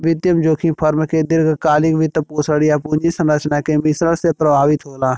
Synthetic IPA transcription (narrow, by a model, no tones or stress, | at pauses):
ʋɪt̪jəmd͡ʒoːkʰĩpʰəɾmked̪ɪɾɡkaːlɪkʋɪt̪poːsəɽijapũːɲd͡ʒisə̃nɾət͡ʃnakemɪsɾəɽsepɾəbʱaːʋɪt̪ɦoːlaː